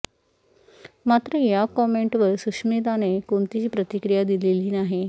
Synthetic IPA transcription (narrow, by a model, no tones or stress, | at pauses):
mat̪ɾəjakɔmeɳʈʋəɾsukʂmet̪anekoɳt̪iipɾət̪ikɾijad̪ileliːnaɦe